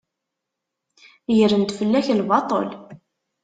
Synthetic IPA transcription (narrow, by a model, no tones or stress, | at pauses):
jəɾənt̪fəlːæçlbɑt̪ˤo̰l